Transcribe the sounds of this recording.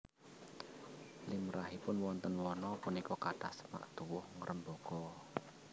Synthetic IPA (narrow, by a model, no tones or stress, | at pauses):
limɾaɦipʊnwɔnt̪ənwɔnɔpunikɔkaʈahsəma̰ʔt̪uwʊhŋəɾʔəmboɡ̥ɔ